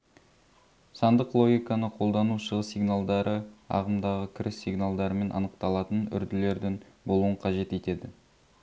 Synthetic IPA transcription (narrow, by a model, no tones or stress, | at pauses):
sɑnd̪əqlˠo̞ɡʲijkɑnəqʰo̞lˠd̪ɑnuʃəʁəsijɡnalˠd̪ɑɾəɑ̰ʁəmd̪ɑʁəkʲʰɪɾɪsːiɡnalˠd̪ɑɾəme̞nʔɑ̰nəqt̪ɑlˠɑt̪ənʏ̰ɾd̪ɪle̞ɾd̪ɪŋbo̞lˠuəɴqʰɑʒe̞t̪e̞t̪e̞d̪ɪ